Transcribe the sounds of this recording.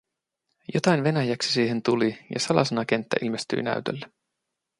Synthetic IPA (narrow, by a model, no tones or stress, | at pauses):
jot̪ɑjnʋe̞næjæksi̥siːɦe̞nt̪ulijɑ̰sɑlɑ̰senɑk̟e̞nt̪ːæʔilmest̪y̰inæ̰yt̪ø̰lːæ